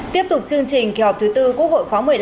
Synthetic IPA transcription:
t̪i˦˥əp̚t̪ʊ˨˩k͡p̚t͡ɕɨ˧əŋt͡ɕï˨˩ŋ̟ki˨˧˦hɔ˨˩p̚t̪ʰɨ˨˦t̪ɨ˧ku˦˥ək̚ho̰˧˨jxwaː˨˦mɨ˨˩əj

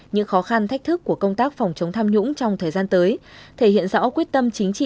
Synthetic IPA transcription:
ɲɨ̰˧˥ŋxɔ˨˦xa˧nt̪ʰa˦˥jk̚t̪ʰɨ˦˥kːu˧˩əkə˧wŋ͡mt̪aː˦˥k̚fɔ˨˩wŋ͡mt͡ɕə˨˦wŋ͡mt̪ʰaː˧mɲʊ̰˧˥ŋ͡mt͡ɕɔ˧wŋ͡mt̪ʰəː˨˩jzaː˧nt̪əː˨˦jt̪ʰe˧˩hḭ˧˨ənzɔ̰˧˥kwi˦˥ət̚t̪ə˧mt͡ɕï˨˦ŋ̟t͡ɕḭ˧˨

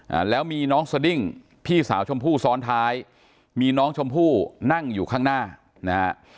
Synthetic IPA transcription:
ʔa̰ː˨˩lɛː˦˥wmiː˧nɔː˦˥ŋsa˧di˥˩ŋ | pʰiː˥˩sa̰ː˩˦wt͡ɕʰo˧mpʰuː˥˩sɔː˦˥nt̪ʰaː˦˥j | miː˧nɔː˦˥ŋt͡ɕʰo˧mpʰuː˥˩na˥˩ŋjuː˨˩kʰaː˥˩ŋnaː˥˩ | na˦˥ha˦˥ʔ

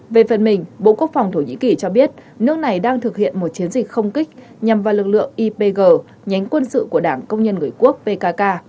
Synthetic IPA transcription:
ve˨˩fə˨˩nmï˨˩ŋ̟ɓo̰˧˨ku˦˥ək̚fa˨˩wŋ͡mt̪ʰo˧˩ɲḭ˧˥ki˨˩t͡ɕɔ˧ɓi˦˥ət̚ | nɨ˦˥ək̚na˨˩jɗaː˧ŋt̪ʰɨ˨˩k̚hḭ˧˨ənmo˨˩t̚t͡ɕi˨˦ənzï˨˩k̟̚xə˧wŋ͡mki˦˥k̚ | ɲa˨˩mvaː˨˩wlɨ˨˩k̚lɨ̰˧˨əŋʔi˧pe˧ɣəː˨˩ | ɲa˨˦ŋ̟kwə˧nsɨ̰˧˨ku˧˩əɗaː˧˩ŋkə˧wŋ͡mɲə˧nŋɨ˨˩əjku˦˥ək̚pe˧kaː˧kaː˧

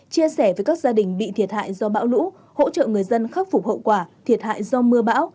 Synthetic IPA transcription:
t͡ɕi˧əsɛ˧˩vəː˨˩jkaː˦˥k̚zaː˧ɗï˨˩ŋ̟ɓḭ˧˨t̪ʰi˨˩ət̚ha̰ː˧˨jzɔ˧ɓa̰ː˧˥wlṵ˧˥ | ho̰˧˥t͡ɕə̰ː˧˨ŋɨ˨˩əjzə˧nxa˦˥p̚fu˨˩p̚hə̰˧˨wkwaː˧˩t̪ʰi˨˩ət̚ha̰ː˧˨jzɔ˧mɨ˧əɓa̰ː˧˥w

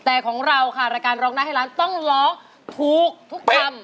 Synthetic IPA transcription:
t̪ɛː˨˩kʰɔː˩˦ŋɾa˧wkʰa˥˩ɾaː˧jkaː˧nɾɔː˦˥ŋna˦˥ha˥˩laː˦˥nt̪ɔ˥˩ŋlɔː˦˥ | t̪ʰuː˨˩k̚t̪ʰu˦˥k̚t̪ʰa˧˩m

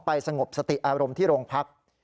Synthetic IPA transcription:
pa˧jsa˧ŋo˨˩p̚sa˧t̪i˨˩ʔaː˧ɾo˧mt̪ʰiː˥˩ɾoː˧ŋpʰa˦˥k̚

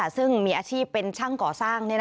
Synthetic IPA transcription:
sɯ˥˩ŋmiː˧ʔaː˧t͡ɕʰiː˥˩pːe˧nt͡ɕʰa˥˩ŋkɔː˨˩saː˥˩ŋni˥˩n

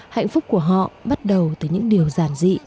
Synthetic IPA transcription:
ha̰˧˨ŋ̟fʊ˦˥k͡p̚ku˧˩əɦɔ̰˧˨ɓa˦˥t̚ɗə˨˩wt̪ɨː˨˩˦jɲɨ̰˧˥ŋɗi˨˩əwzaː˧˩nzḭ˧˨

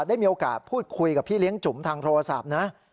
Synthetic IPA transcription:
daː˥˩jmiː˧o˧ka̰ː˨˩t̪̚pʰuː˥˩t̪̚kʰu˧jka˨˩pʰiː˥˩li˦˥əŋt͡ɕu˩˦mt̪ʰaː˧ŋt̪ʰoː˧ɾa˧sa̰˨˩p̚na˦˥

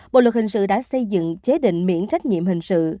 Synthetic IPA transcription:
ɓɓo̰˧˨lwə˨˩hï˨˩ŋ̟sɨ̰˧˨ɗa̰ː˧˥sə˧jzɨ̰˧˨ŋt͡ɕe˨˦ɗḭ̈˧˨ŋ̟mḭ˧˥ənt͡ɕa˦˥jk̟̚ɲḭ˧˨əmhï˨˩ŋ̟sɨ̰˧˨

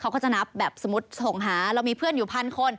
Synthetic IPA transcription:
kʰa˦wkɔː˥˩t͡ɕa˧˩na˦˥p̚bɛː˨˩p̚so˨˩˦mu˦˥t̪̚so˨˩ŋɦaː˩˦ɾaː˧wmiː˧pʰɯ˥˩ənjuː˨˩pʰa˧nkʰo˧˩n

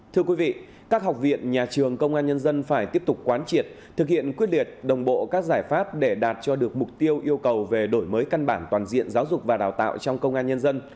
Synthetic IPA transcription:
t̪ʰɨ˧əkwi˨˦vḭ˧˨ | kaː˦˥k̚ɦɔ˨˩wk͡p̚vḭ˧˨ənɲaː˨˩t͡ɕɨ˨˩əŋkə˧wŋ͡mʔaː˧nɲə˧nzə˧nfaː˧˩jt̪i˦˥əp̚t̪ʊ˨˩k͡p̚kːwaː˨˦nt͡ɕi˨˩ət̚ | t̪ʰɨ˨˩k̚hḭ˧˨ənkwi˦˥ət̚li˨˩ət̚ɗə˨˩wŋ͡mɓo̰˧˨kaː˦˥k̚zaː˧˩jfaː˦˥p̚ɗe˧˩ɗaː˨˩t̚t͡ɕɔ˧ɗɨ˨˩ək̚m˨˩k͡p̚t̪i˧əwʔi˧əwkə˨˩wve˨˩ɗo˧˩jməː˨˦jka˧nɓaː˧˩nt̪waː˨˩nzḭ˧˨ənzaː˨˦wzʊ˨˩k͡p̚vaː˨˩ɗaː˨˩wt̪a̰ː˧˨wt͡ɕɔ˧wŋ͡mkə˧wŋ͡mʔaː˧nɲə˧nzə˧n

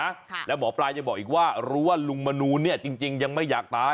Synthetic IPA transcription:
a˦˥lɛː˦˥wbɔː˩˦˥plaː˧ja˧bɔː˨˩k̚ʔiː˨˩k̚waː˥˩ɾuː˦˥waː˥˩lu˧ŋma˧nuː˧ni˥˩t͡ɕi˧ŋt͡ɕi˧ŋja˧ŋma˥˩jaː˨˩k̚t̪aː˦˥

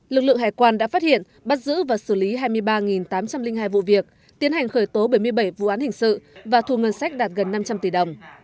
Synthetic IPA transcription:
lɨ˨˩k̚lɨ̰˧˨ŋɦaː˨˩jkwaː˧nɗa̰ː˧˥faː˦˥t̚hḭ˧˨ən | ɓa˦˥t̚zɨ̰˧˥vaː˨˩sɨ˧˩li˨˦ɦaː˧jmɨ˧əjɓaː˧ŋi˨˩nt̪aː˨˦mt͡ɕa˧mlï˧ŋɦaː˧jvṵ˧˨vi˨˩ək̚ | t̪i˨˦ənha˨˩jŋ̟xəː˧˩jt̪o˨˦ɓə˧˩jmɨ˧əjɓə˧˩jvṵ˧˨ʔaː˨˦nhï˨˩ŋ̟sɨ̰˧˨vaː˨˩t̪ʰu˨˩ŋə˧˩nsa˦˥k̟̚ɗaː˨˩t̚ɣə˨˩nːa˧mt͡ɕa˧mt̪i˧˩ɗə˨˩wŋ͡m

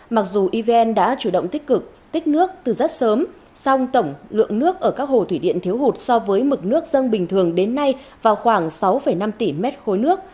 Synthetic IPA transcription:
ma˨˩k̚zu˨˩ʔi˧vɛ˧nɗa̰ː˧˥t͡ɕu˧˩ɗə̰˧˨wŋ͡mt̪ï˥k̟̚kɨ˨˩k̚ | t̪ï˦˥k̟̚nɨ˦˥ək̚t̪ɨ˨˩zə˦˥t̚səː˨˦m | sa˧wŋ͡mt̪ə˧˩wŋ͡mlɨ̰˧˨əŋnɨ˦˥ək̚ʔəː˧˩kaː˦˥k̚ho˨˩t̪ʰwi˧˩ɗḭ˧˨ənt̪ʰi˨˦əwɦu˨˩t̚sɔ˧vəː˨˦jmɨ˨˩k̚nɨ˦˥ək̚zə˧nɓï˨˩ŋ̟t̪ʰɨ˨˩əŋɗe˨˦nːa˧j | vaː˨˩wxwaː˧˩ŋsa˨˦wfə˧˩jna˧mt̪i˧˩mɛ˦˥t̚xo˨˦jnɨ˦˥ək̚

